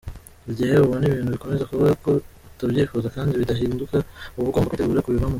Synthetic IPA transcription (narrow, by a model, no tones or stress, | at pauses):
bɟiheβuβoniβiːn̥huβiko̞me̞zekuβe̞ɡako̞ | taβjiːfuzakaːndiβidahiːndukauβuɡoːmbakiteɡuːɾekuβiβanu